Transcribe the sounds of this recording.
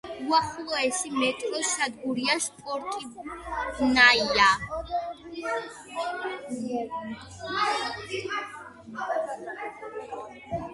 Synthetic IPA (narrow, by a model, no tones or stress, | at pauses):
waχulɔɛsimɛt̪ʼliʃad̪̚ɡuɾiaʃpʼɔɾt̪ʼibnajja